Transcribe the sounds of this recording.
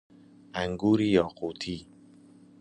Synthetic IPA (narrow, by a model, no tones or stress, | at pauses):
aŋɡuɾijɔqot̪ʰi